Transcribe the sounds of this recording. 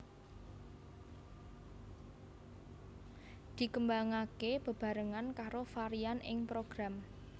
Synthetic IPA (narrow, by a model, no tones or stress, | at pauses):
d̪̥i̤kəmbaŋakeb̥ə̤b̥a̤ɾəŋankaɾofaɾianʔɪ̰ŋpɾoɡ̥ɾam